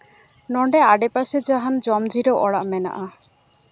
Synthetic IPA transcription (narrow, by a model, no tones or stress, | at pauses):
nɔɳɖɛaɖɛpased͡ʒaɦand͡ʒɔmd͡ʒiɾɔʔɔɽaʔmɛna̰ʔa